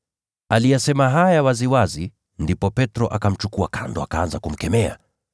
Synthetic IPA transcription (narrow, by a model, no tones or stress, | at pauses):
alijasɛmaɦajawaziwazi | ndipɔpɛtɾɔʔakam̩t͡ʃukuakʰandɔakaanzakum̩kɛmɛa̰